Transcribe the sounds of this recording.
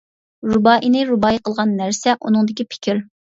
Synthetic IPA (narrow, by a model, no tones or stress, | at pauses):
ɾubɑʔinɪɾubɑjiqʰəlˠʁɑnːæɾsɛʔunɨŋd̪ɪkʲipʰɪ̥kʲʰiɾ